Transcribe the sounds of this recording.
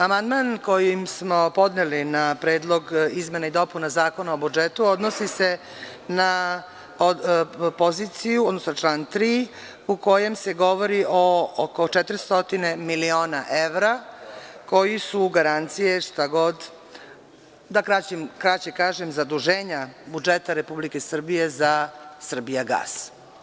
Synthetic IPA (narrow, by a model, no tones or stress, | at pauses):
amand̪manko̞jimsmo̞po̞d̪nelinapɾe̞ːd̪lˠo̞ɡizmenaid̪o̞punazaːko̞naobud͡ʒet̪uo̞d̪nosise | na | opo̞zit̪sijuod̪nosonaʈ͡ʂlaːnt̪ɾi | uko̞je̞mseɡo̞ʋo̞ɾiʔookot͡ʃet̪ɾist̪o̞t̪ine̞milio̞ːnaʔe̞ʋɾa | ko̞jisuɡaɾant̪sijeʂt̪aɡo̞d̪ | d̪akɾat͡ɕemkɾat͡ɕekaːʒemzad̪uʒeːɲabud͡ʒet̪aɾe̞publike̞sr̩bije̞zasr̩bijaɡa̰ːs